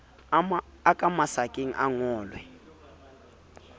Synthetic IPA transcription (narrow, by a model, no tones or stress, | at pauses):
akʼamasakʼeŋ̩ʔaŋɔːlwɛ